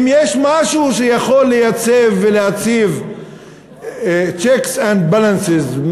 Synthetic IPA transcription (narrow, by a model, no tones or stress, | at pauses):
mjeʃmaʃuʃejaχolːejat͡sevːelejat͡siv | t͡ʃeksãnd̪balansezm